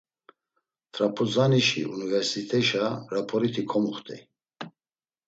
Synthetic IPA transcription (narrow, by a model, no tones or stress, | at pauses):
t̪ʰɾapʰuzaniʃḭunivɛɾsit̪ʰʼɛʃaɾapʰɔɾit̪ʰikʰɔmuχt̪ʼḭ